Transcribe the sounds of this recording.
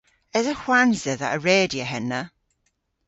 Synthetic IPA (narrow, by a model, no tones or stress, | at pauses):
ɛzəhwanzəðə̰ʔəɹeːdiəɦɛnːə